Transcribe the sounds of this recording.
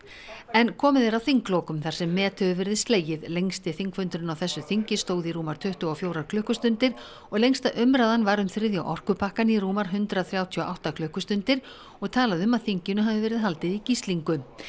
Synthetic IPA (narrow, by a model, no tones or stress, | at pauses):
ɛnkʰɔːmɪðeɾawθiŋklɔːkʏmθḁsɛmːɛːt̪ʰʏʏvɛɾðɪst̪leːjɪðlejŋst̪ɪθiŋkfʏnt̪ɾɪnawθɛsːʏθiɲcɪst̪oːwðiɾuːmaɾt̪ʰʏht̪ʏawfjowɾaɾkʰlœːhkʏst̪ʏnt̪ɪɾ̥ | ɔɣlejŋst̪aʔœmɾaðanvaɾʏmθɾɪðja̰wʔɔr̥kʏpʰahkaniruːmaɾ̥ɦʏnt̪ɾaθɾjaːwt̪ʰiɔʔa̰wht̪akʰlœːhkʏst̪ʏnt̪ɪɾ̥ | ɔɣt̪ʰaːlaðʏmaðθiɲcɪnʏɦavɪvɛːɾɪðɦalt̪ɪðicist̪liŋkʏ